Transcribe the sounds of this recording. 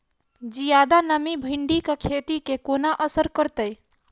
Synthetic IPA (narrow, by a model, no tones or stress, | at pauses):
d͡ʒijad̪anəmibʱiɳɖikekʰet̪ikekonaʔəsəɾkəɾt̪əj